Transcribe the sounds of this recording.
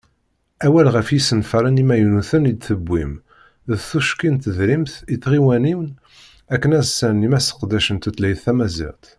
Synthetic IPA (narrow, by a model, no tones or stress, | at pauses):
æwælʁəfjisənfæɾˤənimæjunuθənid̪θəbːim | ðθuʃkint̪əðɾimθiθʁiwæniwn | ækːənæzsænimæsə̥qd̪æʃənt̪ut̪læjθæmæzḭʁt̪